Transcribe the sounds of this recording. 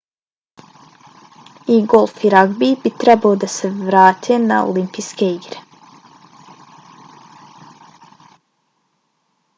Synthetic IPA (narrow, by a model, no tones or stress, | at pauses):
iːɡɔlfiɾɑɡbibɪt̪ʰɾɑboːd̪əsəʋɾɑːt̪ʰənæ̰ːʊ̰lʏmpɪskeːɡɾ